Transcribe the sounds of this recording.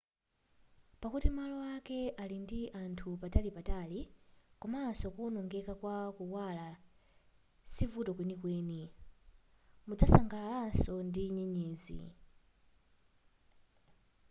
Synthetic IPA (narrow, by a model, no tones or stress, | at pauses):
pakutimalɔwakɛʔalindiʔantʰupatalipatalikɔmasɔkunɔŋɡɛkakwakuwala | sivutɔkwɛnikwɛːni | mud͡zasaŋɡalalasɔndiɲɛɲɛːzḭ